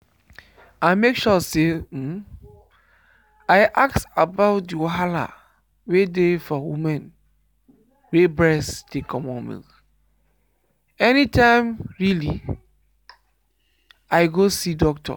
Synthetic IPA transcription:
amekʃɔse | aɪʔaksabaʊt̚diɦala̰ | wedefɔwṵmɛ̃n | webɹɛsd̥ekʰɔmɔ̃mḭ̃ | ɛnitʰãɪmɹilḭ | aɪɡosidɔk̚tʰɔ̰

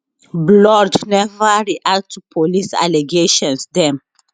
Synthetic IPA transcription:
blɔdnɛvəɹiʔak̚tʰupʰolisa̰leɡeʃɔ̃nsdɛ̃m

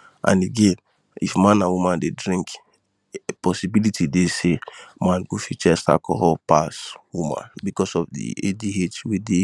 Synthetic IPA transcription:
ã̰neɡẽn | ifmãnãwumãndedɹĩŋk | pɔsibilitʰidesemãnɡofit͡ʃɛsa̰kʰɔɦɔpaswumã̰nbikɔsɔfdḭediɦetwede

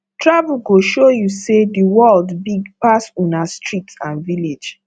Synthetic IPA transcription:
tɹavulɡoʃojusediwɜldbiɡpasũnastʰɹitãnviled͡ʒ

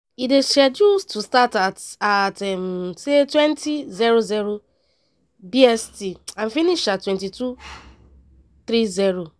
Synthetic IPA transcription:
ideʃad͡ʒustʰustatatatɛm̩setwɛntiziɾoziɾo | biɛstiãn̩finiʃatwɛ̃ntitu | θɾiziɾo

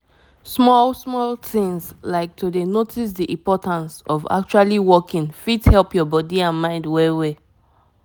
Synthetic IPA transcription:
smɔlsmɔltĩŋslaɪk̚tudenotʰis̬diʔĩmpɔtãnsɔva̰k̚t͡ʃualiwɔkĩnfidhɛlˠpjɔbɔdiãnmãɪ̃ndwɛwe

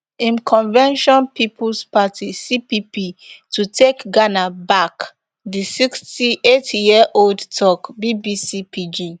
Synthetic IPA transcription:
ĩnkʰɔ̃nvɛ̃nʃɔ̃npipʰulspatʰisipipitʰutʰekɡanabak | disikstietjiəʔoldtʰɔkbibisipid͡ʒi

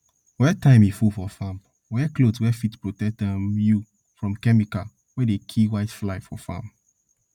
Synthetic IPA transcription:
wɛtãɪ̃mjifufɔfãm | wɛklodswɛfitpɹotɛk̚ɛ̃mju | fɹɔ̃mkɛmika | wɛdekʰiwaɪtflaɪfɔfã̰m

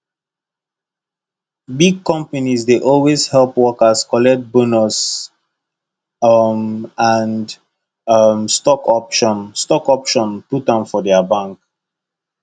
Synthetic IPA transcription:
biɡ̚kɔ̃mpanizdeʔɔlwezhɛlpwɔkəskɔlɛk̚t̚bonɔs | mãnd | mstɔkɔpʃɔ̃nstɔkɔpʃɔ̃nputãmfɔdɛabãŋk

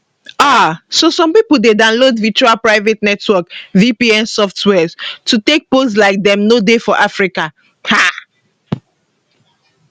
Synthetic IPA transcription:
asosɔ̃mpipuldedãʊnlodvit͡ʃualpɹaɪvetnɛtwɔkvipiɛ̃nsɔftwɛztutek̚poslaɪk̚dɛ̃mnodefɔʔafɹika | ha

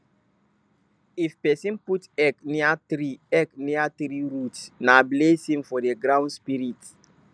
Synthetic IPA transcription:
ifpɛsĩnputɛkniatɾiɛkniat̪ɾiɹutnablesĩmfɔdeɡɾãʊ̃ndspiɾit

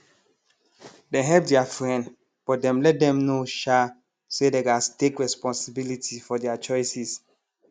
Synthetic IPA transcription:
dɛ̃ɦɛp̚dɛafɹɛ̃nd | b̥ɔt̚dɛ̃mlɛt̚dɛ̃mnoʃa | sedeɡastekɹɛspɔ̃nsibilitʰifɔdɛat͡ʃɔjsis

